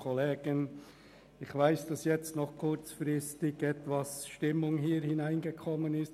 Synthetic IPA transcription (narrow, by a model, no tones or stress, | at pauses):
kʰɔleːɡ̥ən | ɪxvaɪsd̥ɑsjɛt͡stnɔχkʰʊɾt͡sfɾɪstɪɡ̥ɛtvasʃtɪmʊŋɦiːɾhɪnæɪnɡəkʰɔmːənɪst